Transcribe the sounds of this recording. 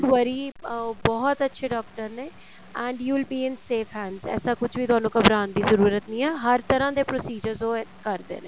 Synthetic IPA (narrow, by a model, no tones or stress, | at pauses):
ʋəɾiːbɔːɔt̪ətːʃʰeːɖɔːk̚ʈəɾneː | ɛ̃ːɳɖjuːɪlbiːɪnseːfɦæ̃ːɳzɛ̰ːsaːkʊt͡ʃʰʋiːt̪ʊaːnũːkəbɾaːnd̪iːzəɾuːɾət̪nĩːɛːɦəɾt̪əɾãːd̪eːpɾoːsiːd͡ʒəɾzõːkəɾd̪ḛːnḛ̃ː